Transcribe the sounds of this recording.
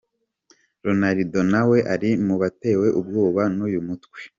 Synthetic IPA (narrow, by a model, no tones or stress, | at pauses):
ɾonaɾido̞nawe̞ʔaɾimuβate̞ːwe̞ʔubɡuːβanujumutwe̥